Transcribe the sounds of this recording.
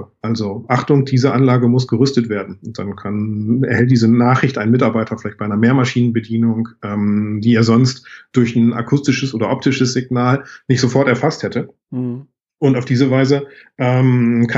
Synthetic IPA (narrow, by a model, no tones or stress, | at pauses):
ʔalzoʔaχtʊŋd̥iːzəʔanlaːɡəmʊsɡ̥əʁʏstətv̥eːɐdn̩ʊnt̚d̥ankʰanɛ̰ɐhɛlt̚d̥iːzənaːχʁɪçtʔaɪnmɪtaɐbaɪtʰɐfɪlaɪç̚baɪanɐmeːɐmaʃiːnənbədiːnʊŋʔɛːmdiːeːɐzɔnstd̥ʊɐçn̩ʔa̰kʰʊstɪʃəsʔoːdɐʔɔp̚tʰɪʃəsz̥ɪɡnaːlnɪçtz̥ofɔɐtɛɐfasthɛtə | ʔʊntaʊfd̥iːzəvaɪzəʔɛːmkʰa